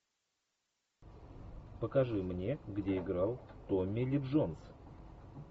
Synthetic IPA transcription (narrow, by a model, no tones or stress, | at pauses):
pəkɐʐɨmnʲe̞ɡdʲeɪɡɾalˠt̪omʲːɪlʲɪbʐons